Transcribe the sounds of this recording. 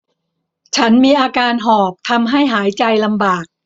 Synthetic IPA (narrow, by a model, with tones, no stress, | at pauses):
t͡ɕʰa˦˥nmiː˧ʔaː˧kaː˧nɦɔː˨˩p̚t̪ʰa˧mɦa˥˩jɦaː˩˦jt͡ɕa˧jla˧mbaː˨˩k̚